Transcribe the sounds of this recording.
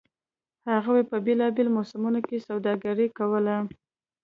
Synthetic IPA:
haɣawepəbelɑbelmosɪmunokesawd̪ɑɡaɾəkawəla

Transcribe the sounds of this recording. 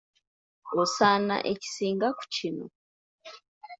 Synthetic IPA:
osana̰ʔeci̥siːŋɡaku̥cino̰

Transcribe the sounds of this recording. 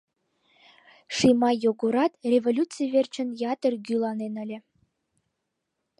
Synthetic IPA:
ʂimɑjoɡoɾɑt̪rʲevolʲut͡sɨjvʲert͡ɕə̆njɑt̪ə̆rɡʲylˠɑnenə̆lʲĕ

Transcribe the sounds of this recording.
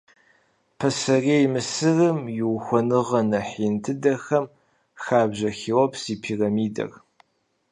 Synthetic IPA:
pʰɐsɐreːjmɨsɨrɨmjɪwxʷɔnɨʁɐnɐħiːntʰɨdɐxɐm | xaːbʑɐxiːwɔpʰsiːpʰiːrɐmiːdɐ̰r

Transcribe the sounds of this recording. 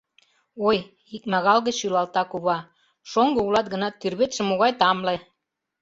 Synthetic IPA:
oj | ik̚mɑɣɑlɣə̆t͡ɕylɑlt̪ɑkuβɑ | ʃoŋɡɤulɑt̪̚ɡə̆nɑt̪ːyrβet̪ʃĕmːoɣɑjt̪ɑmle

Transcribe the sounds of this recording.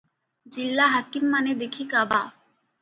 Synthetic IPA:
d͡ʑilːaɦakimːaned̪ekʰikaba

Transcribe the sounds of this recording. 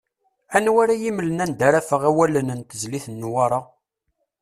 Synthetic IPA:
ænwæɾæjimlənænd̪æɾæfəʁæwælənənt̪əzliθnːwaɾˤɑ

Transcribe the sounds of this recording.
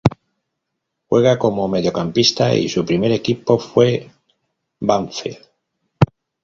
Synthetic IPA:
xwe̞ɣ̞ako̞mo̞me̞ðjo̞kampist̪aḭsupɾime̞ɾe̞kipo̞fwe̞ | baɱfḛl

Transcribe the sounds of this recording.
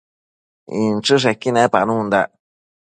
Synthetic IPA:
ḭ̃nt͡ʃɨʂ̬ekinẽpanũhũnd̪a

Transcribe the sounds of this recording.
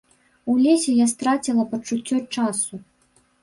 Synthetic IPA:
ulʲesʲɛjast̪ɾat͡sʲilˠɐpɐt͡ʂut͡sʲːɔt͡ʂasu

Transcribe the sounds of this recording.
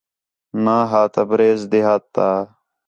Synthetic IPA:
nãːɦaːt̪ɐbɾeːzd̪iɦaːt̪ːaː

